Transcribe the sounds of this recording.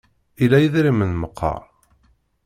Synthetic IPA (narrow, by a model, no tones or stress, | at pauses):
ilːæjəðɾimənməqʰːɑ̰ɾˤ